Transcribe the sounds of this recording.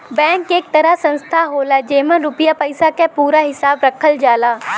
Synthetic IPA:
bɛ̃ːŋkeːk̚t̪ɐɾasɐ̃nst̪ʰaɦoːlad͡ʒeːmə̃ɾʊpɪjapəɪsakapuːɾaɦɪsaːbɾɐkʰəld͡ʒaːlaː

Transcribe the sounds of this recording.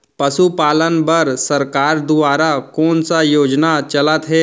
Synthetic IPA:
pɐsupaːlənbəɾsɐɾkaːɾd̪ʊaːɾakɔːnsajoːd͡ʒnat͡ʃɐlət̪ɦɛː

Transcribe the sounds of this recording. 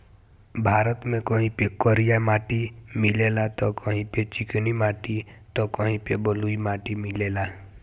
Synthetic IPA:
bʱaːɾət̪mẽkəɦĩpekɔɾijamaːʈimɪlelat̪ɔkəɦĩpet͡ʃɪknimaːʈit̪ɔkəɦĩpebəluimaːʈimɪleːla

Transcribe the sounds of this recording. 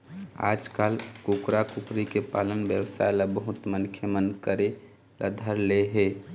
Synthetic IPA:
a̰d͡ʒkalkukɾakukɾikepa̰lənbjəwsa̰elabəɦut̪mənkʰjəmənkəɾe | lʔə̰d̪ʱəɾleɦe

